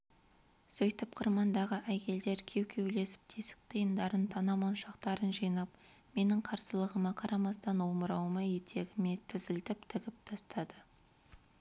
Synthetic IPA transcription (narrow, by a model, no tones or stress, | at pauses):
sɵjt̪ɪpqʰəɾmɑnd̪ɑʁəʔækʲʰe̞ld̪e̞ɾkʲʰe̞wkʲʰe̞wle̞sɪ̥p̚t̪ʰesɪ̥k̚t̪ʰəjənd̪ɑɾənt̪ʰɑnɑmɑnʃɑqt̪ɑɾənʒijnɑp̚ | me̞nɪŋqʰɑɾsəlˠəʁəmɑqʰɑɾɑmɑst̪ɑnwoməɾɑwəmɑjet̪ʰe̞ɡʲɪme̞t̪ʰɪzɪlt̪ɪpt̪ʰɪɡʲɪp̚t̪ʰɑst̪ɑd̪ə